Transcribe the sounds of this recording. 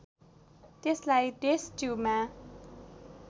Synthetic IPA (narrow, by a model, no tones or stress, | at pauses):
t̪eslajdesd͡ʒuma